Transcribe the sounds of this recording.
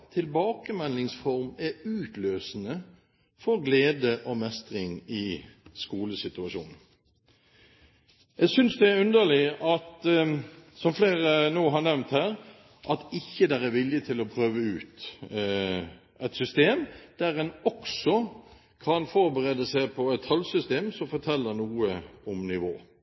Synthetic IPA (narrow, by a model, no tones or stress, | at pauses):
t̪ʰɪlbɑːkəmɛnɪŋsfɔʁmæɾʉːt̪løːsnə | fɔɾɡleːd̪əʔɔmɛst̪ʁɪŋɪskuːləsɪt̪ʉɑʃṵːnn̩ | jæɡsʏnsd̪ɛæʉnd̪əlɪʔɑt̪ | sɔmfleːʁənoːɦɑɾnɛʋnt̪hæːɾ | ʔɑt̪ɪçːəd̪æɾæɾʋɪljət̪ʰɪlɔpʰʁøːʋəʉːt̪ | ʔɛɪt̪sʏst̪eːmd̪̥æɾɛnɔksɔ | kʰɑnfɔɾbəʁeːd̪əsæɪpʰɔɛt̪hɑlsʏst̪eːmsɔmfɔt̪ʰɛlːənuːəɔmnɪʋo̰ː